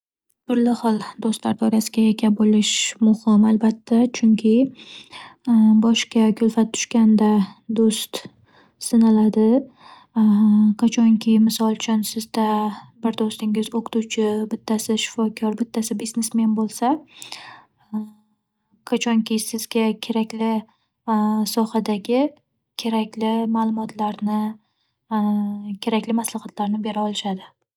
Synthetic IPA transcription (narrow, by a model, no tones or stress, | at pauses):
b̥ʊɾlɪhɒlˠd̪ost̪laɾd̪ɒɾasɪɡʲaekʲʰabolɪʃmʊhɪmalbat̪ʰːat͡ʃʰʊŋkʲʰɪ | bɒʃkʲakʲʰɵlfat̪ʰːʊ̥ʃkʲand̪ad̪ost̪ | sɪnalad̪ɪ | qʰat͡ʃʰɒŋkʲʰɪmɪsɒlˠt͡ʃʰʊnsɪzd̪abɪɾd̪ost̪ɪŋɪzoqʰʊ̥t̪ut͡ʃʰɪbɪt̪ʰːasɪʃɪ̥fɒkʰɒɾbɪt̪ʰːasɪbiznesmenbolˠsa | qʰat͡ʃʰɒŋkʲɪjsɪzɡʲakʲʰe̞ɾakʲlɪ | sɒhad̪aɡʲɪ | kʲʰe̞ɾakʲlɪmaːlˠʊmɒt̪ʰlaɾnɪ | kʲʰe̞ɾakʲlɪmaslaχat̪ʰlaɾnɪbe̞ɾaɒlˠɪʃad̪ɪ